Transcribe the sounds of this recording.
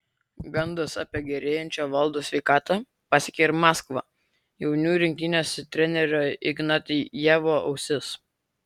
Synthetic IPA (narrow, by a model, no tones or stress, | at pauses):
ɡɐnd̪ɐsɑ̰pʲiɛɡʲɛɾʲeːjɛnʲt͡ʃʲoːʋɐlˠd̪oːsʲʋʲɛɪkɑːt̪ɑ | pɑsʲɪkʲɛɾʲmɑːskʋɐː | jɛʊnʲuːɾʲɪŋʲkʲɪnʲoːsʲt̪ʲɾʲɛnʲɛɾʲoɪɡnɑt̪ʲijæːʋoɐ̰ʊsʲɪs